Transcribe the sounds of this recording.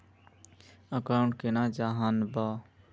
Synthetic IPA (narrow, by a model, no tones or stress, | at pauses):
əkãɳʈ̚kenad͡ʒaɦənba